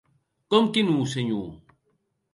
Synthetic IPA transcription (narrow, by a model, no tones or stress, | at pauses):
komkinũːseɲṵː